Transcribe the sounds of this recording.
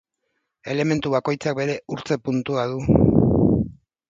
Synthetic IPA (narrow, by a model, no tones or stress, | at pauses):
e̞le̞me̞nt̪uβako̞jt͡sak̚be̞ɾe̞uɾt͡se̞punt̪uað̞u